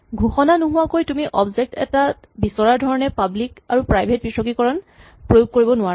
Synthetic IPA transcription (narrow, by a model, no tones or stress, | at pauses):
ɡʱuxɔnanuɦʊwakojtumiʔɔbzek̚tɛ̰ta | bisɔɹaɹdʱɔɹɔnɛpablika̰ɹupɹajbʱet̚bisɔkikɔɹɔn | pɹojuɡ̚koɹibɔnʊa